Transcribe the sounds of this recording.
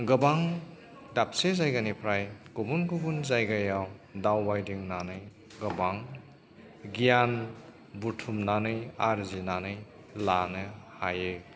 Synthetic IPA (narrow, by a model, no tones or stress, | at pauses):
ɡɯbaŋ | dap̚sezajɡanipʰɾajɡ̥obunɡubunzajɡajawdawːajdiŋnanɯj | ɡɐbaŋ | ɡijan | butʰumnanɯjaɾzinanɯj | lanɯhajɯ